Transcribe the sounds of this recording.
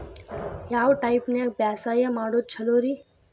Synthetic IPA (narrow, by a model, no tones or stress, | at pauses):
jaːwʈaipneak̚baːsaːjamaːɽot͡ʃʰəloːɾiː